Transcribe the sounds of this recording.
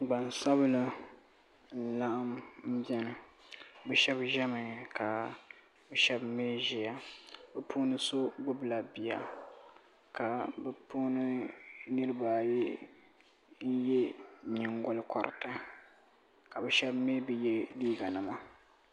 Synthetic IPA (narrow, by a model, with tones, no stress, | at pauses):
ɡ͡ba˨n˨sa˦bɨ˦lɨ˦ | n̩˨la˦ʔa˦mm̩˦bɛ˦nɨ˨bɛ˦ʃɛ˦bʒɛ˦mɨ˨ka˨ | bɛ˦ʃɛ˦bme˦ʒi˨ja˨bɛ˦pʰuː˦nɨ˦so˦ɡ͡bʊ˦bla˨bi˨ja̰˨ | ka˨bɛ˦pʰuː˦nɨ˦nɨ˦ɾɨ˦ba˨jɛ˦ | n̩˦jɛ˦ɲi˨ŋɡʊ˨lɨ˦kʰɔ̰˨ɾʔɪ̰˨ta˦ | ka˨bɛ˦ʃɛ˦bme˦bi˦jɛ˦liː˦ɡa˨nɨ˨ma˨